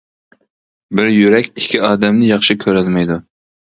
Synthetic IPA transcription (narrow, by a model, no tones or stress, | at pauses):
bɪɾjyɾɛkʲikʲʰːiɑːd̪ɛmnɪjɑχʃɪkʲʰøɾɛlmɛjd̪u